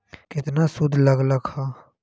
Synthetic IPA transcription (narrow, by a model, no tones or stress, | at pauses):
kɪt̪naːsʊd̪ʱləɡləɡhaː